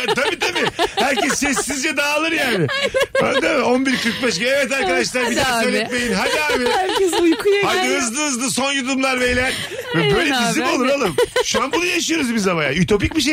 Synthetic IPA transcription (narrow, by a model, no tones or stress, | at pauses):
t̪ʰabiːt̪ʰabihæɾcʰɛsːɛsːizd͡ʒɛd̪aːlˠɯɾjaːnɪa̰t̪ʰabio̞nbiɾkʰɯɾk̚bɛʃɡiɛvɛt̪aɾkad̪aʃlˠaɾbid̪aːsøjlʲɛt̪̚mejinɦajiabihæɾcʰɛzujkʰujhajd̪ɯɯzd̪ˠɯɯzd̪ɯso̞njud̪umlˠaɾvejlʲæn | vɛbø̞jlʲɛbizlʲimolˠuɾalˠɯmʃuanbunɯjaʃɯjo̞ɾuzbizaβaja̰yt̪ʰo̞p̬ic̚biʃ̬e